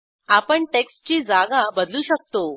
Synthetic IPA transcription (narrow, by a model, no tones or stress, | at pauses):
apəɳʈekst͡ɕiːd͡zaɡabəd̪luːɕək̚t̪o